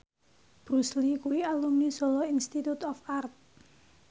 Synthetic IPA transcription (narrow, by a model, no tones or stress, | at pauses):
b̥ɾuslikuwialumnisolɔinst̪it̪ut̪ɔfart̪̚